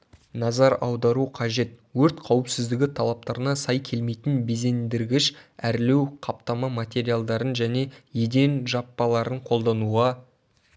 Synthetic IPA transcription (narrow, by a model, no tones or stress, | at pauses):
nɑzɑɾɑwd̪ɑɾuqʰɑʒe̞t̪ | wɵɾt̪qʰɑwɪpsɪzd̪ɪɡʲɪt̪ʰɑlˠɑp̚t̪ɑɾənɑsɑjkʲʰe̞lme̞jt̪ɪnbe̞ze̞nd̪ɪɾɡʲɪʃæɾle̞wqʰɑpt̪ɑmɑmat̪ʲe̞ɾijalˠd̪ɑɾənʒæne̞je̞d̪e̞nʒɑpːɑlˠɑɾəɴqʰo̞lˠd̪ɑnuʁɑ